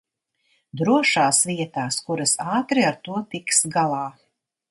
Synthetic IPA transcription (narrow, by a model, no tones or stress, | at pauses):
d̪ɾuɔʃaːsʋiɛt̪aːskuɾɐsɑːt̪ɾiaɾt̪uɔt̪iksɡalˠɑː